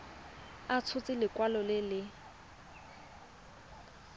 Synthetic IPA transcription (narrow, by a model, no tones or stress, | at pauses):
at͡sʰʊt͡sʼɪlɪkwalɔlɪlɪ